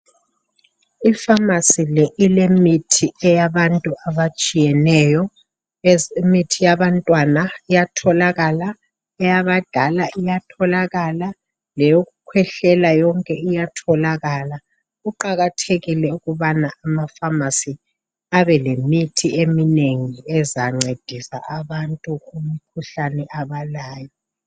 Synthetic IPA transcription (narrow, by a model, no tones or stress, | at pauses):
ifamasilɛʔilemitʰiɛjaβantʼuʔaβat͡ʃʼijɛnɛjɔ | ɛzemitʰijaβantʼwanaijatʰɔlaɣala | ɛjaβad̥ʱalaʔijatʰɔlaɣala | lɛjoɣukʰwɛɬɛlajɔŋkʼɛijatʰɔlaɣala | uǃaɣatʰeɣilɛuɣuβanaamafamasi | aβɛlemitʰiemineŋiɛzaŋ͡ǀed̥ʱisa̰ʔaβantʼuɣumikʰuɬanɛʔaβalaːjɔ